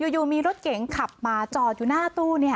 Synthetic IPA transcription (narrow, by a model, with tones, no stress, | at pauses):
juː˨˩juː˨˩miː˧ɾo˦˥t̪̚ke˩˦ŋkʰa˨˩p̚maː˧t͡ɕɔː˧˩t̪̚juː˨˩naː˥˩t̪uː˥˩ni˥˩ɐ